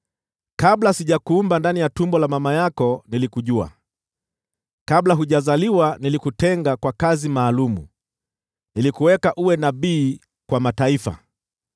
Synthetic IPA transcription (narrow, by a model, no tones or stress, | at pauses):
kablasiʄakuːmbandanijatumbɔlamamajakɔnilikuʄua̰ | kablaɦuʄazaliwanilikutɛŋɡakwakazimaːlumṵ | nilikuwɛkaʔuwɛnaɓiː | kwamataifa̰